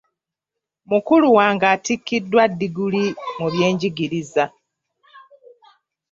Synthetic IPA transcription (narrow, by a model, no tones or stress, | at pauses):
mukuluwaːŋɡaːtikːidːwadːiɡulimuβje̞ːɲɟiɡiɾiza